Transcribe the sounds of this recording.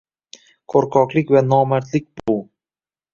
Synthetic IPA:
qʰoɾqʰɒqlˠɪkʲvanɒmaɾt̪lɪk̚ʲb̥ʊ

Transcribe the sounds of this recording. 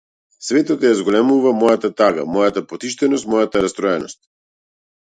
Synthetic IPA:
svɛt̪ɔt̪jazɡɔlɛmuvamɔjat̪at̪aɡa̰mɔjat̪apɔt̪iʃt̪ɛnɔst̪mɔjat̪aɾast̪ɾɔɛnɔst̪̚

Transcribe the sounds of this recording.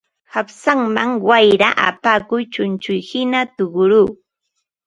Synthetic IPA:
hapsaŋmaŋwajɾaʔa̰paːkʊjt͡ʃʊnt͡ʃʊjhɪnat̪ʊɢʊɾuː

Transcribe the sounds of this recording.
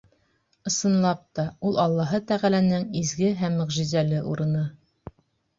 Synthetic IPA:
ɤ̆sɤ̆nlˠɑp̚t̪ɑulˠɑlˠːɑɦɤt̪æʁælænɘŋizɡɘɦæmːɘ̆ʁʒizælɘʔṵɾɤ̆nɤ

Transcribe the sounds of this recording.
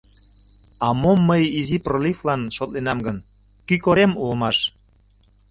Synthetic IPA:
ɑmomːəjiziproliflɑnʃot̪lenɑmɡən | kykoɾemulmɑʃ

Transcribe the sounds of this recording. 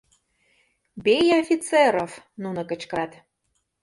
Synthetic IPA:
bejofʲit͡seɾof | nunɤ̆kə̆t͡ɕkɑt̪

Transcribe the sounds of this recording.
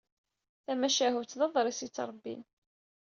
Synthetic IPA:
θæmæʃæɦut͡s̪ðɑðˤɾˤisit͡sːɾˤəbːḭn

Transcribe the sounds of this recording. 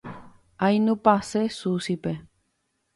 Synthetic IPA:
ajnũpasesusipe

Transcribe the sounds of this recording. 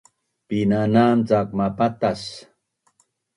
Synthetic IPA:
pinanamt͡sak̚mapat̪as

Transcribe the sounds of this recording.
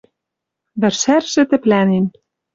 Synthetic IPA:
bɘ̆rʃærʃɘ̆t̪ɘ̆plænen

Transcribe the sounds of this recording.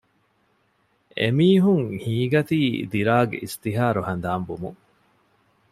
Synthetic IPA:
ḛmiːɦuŋhiːɡɐt̪iːd̪iɾaːɡḛʔist̪iɦaːɾuhɐnd̪aːmbumu

